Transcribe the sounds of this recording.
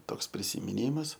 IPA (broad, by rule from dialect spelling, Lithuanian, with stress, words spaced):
ˈtoːks pʲrʲɪsʲɪmʲɪˈnʲiːmɐs